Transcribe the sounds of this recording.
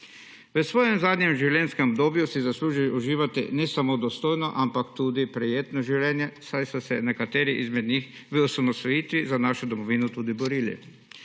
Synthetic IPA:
ʋəsʋoːjɛmzaːd̪ɲɛmʒiwlʲjɛnskɛmɔbd̪oːbjusizasluːʒiʔuʒiːʋat̪ḭnɛsamod̪ɔst̪oːjnɔʔampakt̪uːd̪ipɾɛjeːt̪nɔʒiwlʲɛːnjɛsajsɔsɛnɛkat̪ɛːɾiʔizmɛd̪ɲix | ʋəusamɔst̪ɔjiːt̪ʋizanaːʃud̪ɔmɔʋiːnut̪uːd̪ibɔɾiːlḭ

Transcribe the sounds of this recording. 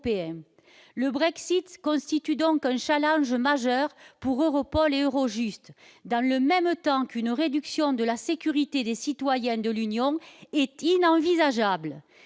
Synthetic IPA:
peɛ̃ | ləbʁɛksit̪kɔ̃st̪it̪yd̪ɔ̃ŋkɛ̃ʃalɑ̃ʒmaʒœʁpuʁøʁɔpɔleøʁɔʒyst̪d̪ɑ̃ləmɛmt̪ɑ̃kynʁed̪yksjɔ̃d̪əlasekʲyʁit̪ed̪esit̪wajɛ̃d̪əlynjɔ̃ɛt̪inɑ̃vizaʒablə

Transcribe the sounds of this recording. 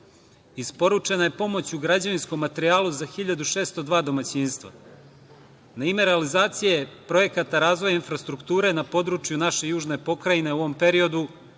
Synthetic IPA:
ispo̞ɾut͡ʃe̞naje̞po̞mo̞t͡ɕuɡɾad͡ʑaʋinsko̞mːat̪eɾiaːluzaxiʎad̪uʃe̞ːst̪o̞d̪ʋaːd̪o̞mat͡ɕiːnst̪vʋa̰ | naime̞ɾealizaːt̪sijepɾo̞je̞kat̪aɾaːzʋo̞jainfɾast̪ɾukt̪uːɾe̞napo̞d̪ɾut͡ʃjunaʃe̞juːʒne̞po̞kɾajine̞uʋo̞mpe̞ɾio̞d̪u

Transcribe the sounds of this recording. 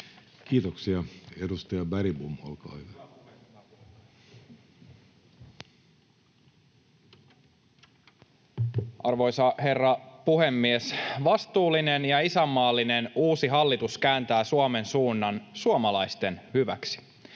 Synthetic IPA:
kiːt̪oksiɑedust̪ɑjɑbæɾibumo̰lkɑ̰ːhyʋæ | ʔɑrʋo̞jsɑhe̞rːɑpuhe̞mːiesʋɑst̪uːlːine̞njɑisæmːɑːlːine̞nuːsiɦɑlːit̪uskæːnt̪æːsuɑme̞nsuːnːɑnsuomɑlɑjst̪e̞nhyʋæksi̥

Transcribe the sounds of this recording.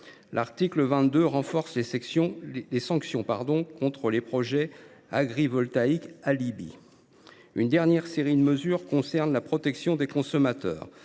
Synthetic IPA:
lʔaʁt̪ikləvɛ̃t̪d̪øʁɑ̃fɔʁsle | lesɑ̃ksjɔ̃pa̰ʁd̪ɔ̃kɔ̃t̪χəlepχɔʒɛ | aɡʁivɔlt̪aikalibḭ | ynd̪ɛʁnjɛʁseʁid̪əməzyʁkɔ̃sɛʁnlapχɔt̪ɛksjɔ̃d̪ekɔ̃sɔmat̪œ̰ːʁ

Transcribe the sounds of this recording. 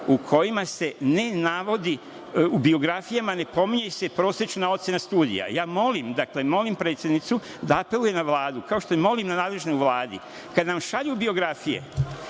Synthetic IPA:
ukʰo̞jimase̞ne̞naʋo̞d̪i | ubio̞ɡɾafijamane̞po̞miɲese̞pɾo̞ːsjet͡ʃunao̞t̪se̞nast̪uːd̪ḭja̰jaːmo̞limd̪akle̞mo̞limpɾe̞ːt̪sjed̪nit̪su | d̪aːpe̞lˠuje̞naʋlaːd̪ukao̞ʃt̪omemo̞limnanaːd̪le̞ʒnouʋlaːd̪ḭ | kad̪namʃaʎubio̞ɡɾafijḛ

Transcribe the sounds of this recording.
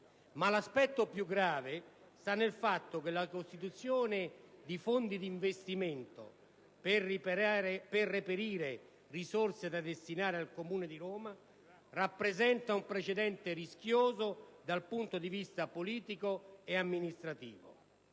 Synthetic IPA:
malaspɛt̪ːopjuɡɾaːve | st̪anːelfat̪ːok̟elakost̪it̪ut̪sːjoːnɪd̪ifond̪id̪iːɱvest̪iment̪o̰ | ppːɾperːepeɾiːɾe | risorsed̪ad̪est̪inaːɾealkomuːned̪iɾɔːma | rapːɾezɛnt̪aumpɾet͡ʃed̪ɛnt̪eɾisk̟joːzod̪alpunt̪od̪ivist̪apoliːt̪ikoeamːinist̪ɾat̪ḭːvo̰

